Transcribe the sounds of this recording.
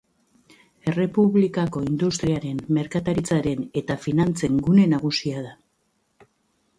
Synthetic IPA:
e̞re̞puβlikako̞ind̪ust̪ɾiaɾe̞nme̞ɾkat̪aɾit͡saɾe̞ne̞t̪afinant͡se̞ŋɡune̞naɣ̞usiaða

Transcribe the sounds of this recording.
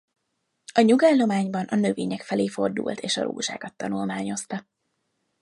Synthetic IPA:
ɒɲuɡaːlːo̞maːɲbɒnʔɒnøveːɲɛkfɛleːfo̞̰rd̪ṵːlt̪ʰeːʃɒ̰ɾo̰ːʒa̰ːɡɒt̪ːɒnulmaːɲo̞st̪ɒ

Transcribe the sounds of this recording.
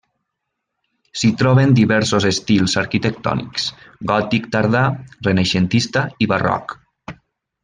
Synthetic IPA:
sit̪ɾɔβend̪iβɛɾsozest̪ilˠzaɾkit̪ek̚t̪ɔ̰nḭksɡɔt̪ikt̪aɾðarenaʃent̪ist̪aiβarɔ̰k

